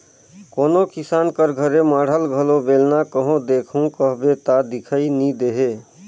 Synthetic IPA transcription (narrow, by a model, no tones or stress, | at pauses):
konokisankəɾɡʱəɾemaɽ̤əlɡʱəlobelnakəɦõd̪ekʰũkəɦbet̪ad̪ikʰəinid̪eɦe